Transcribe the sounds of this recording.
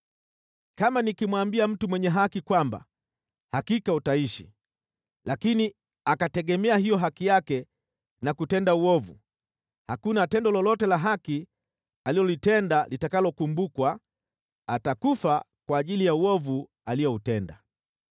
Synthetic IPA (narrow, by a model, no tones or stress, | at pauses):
kamanikimwambiam̩tumwɛɲɛɦakikwamba̰ | hakikautaiʃḭ | lakini | akatɛɠɛmɛahijɔɦakijakɛ | nakutɛndauɔvṵ | hakunatɛndɔlɔlɔtɛlaɦaki | alilɔlitɛndalitakalɔkumbukwaː | takufa | kwaːʄilijauɔvu | alijɔutɛnda